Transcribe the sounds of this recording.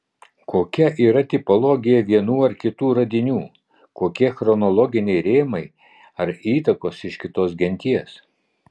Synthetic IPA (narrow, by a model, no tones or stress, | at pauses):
kʰoːkʲɛʔiːɾɐt̪ʲɪpɔlˠoːɡʲɪjɛʋʲiɛnuːɐɾkʲɪt̪uːɾɐd̪ʲɪnʲuː | koːkʲiɛxɾɔnɔlˠɔːɡʲɪnʲɛɪɾʲeːmɐɪ | ɐɾiːt̪ɐkoːsɪʃkʲɪt̪oːs̬ɡʲɛnʲt̪ʲiɛs